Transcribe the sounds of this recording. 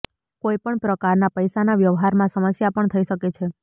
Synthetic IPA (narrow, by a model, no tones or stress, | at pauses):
kojpəɳpɾəkaɾnapəjsanaʋjəʋɦaɾmãsəməsjapəɳt̪ʰəiʃəket͡ʃʰe